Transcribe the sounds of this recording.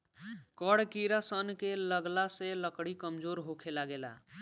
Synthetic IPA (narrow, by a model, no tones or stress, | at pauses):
kəɽkiɾasənkeləɡlaseləkɽikəmd͡ʒoɾɦokʰelaɡela̰